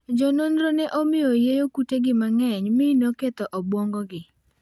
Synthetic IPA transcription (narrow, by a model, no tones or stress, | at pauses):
d͡ʒɔnonɾonɛʔomɪojejokuteɡɪmaŋɛɲmɪnoket̪ɔʔɔbwɔŋɡɔɡɪ